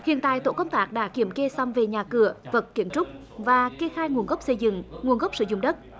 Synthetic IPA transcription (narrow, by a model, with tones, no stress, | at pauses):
hḭ˨˧˨ənt̪a̰ː˧˨jt̪o̰˧˨kə˧wŋ͡mt̪aː˦˥k̚ɗa̰ː˧˥ki˧˩əmke˧sa˧wmve˨˩ɲaː˨˩kɨ˧˩əvə˨˩t̚kːi˧˩əmt͡ɕʊ˦˥k͡p̚ | vaː˨˩ki˧əxaː˧jŋu˨˩ənɣə˦˥wk͡p̚sə˧jzɨ̰˧˨ŋŋu˨˩ənɣə˦˥wk͡p̚sɨ̰˧˦zʊ̰˧˨ŋ͡mɗə˦˥t̚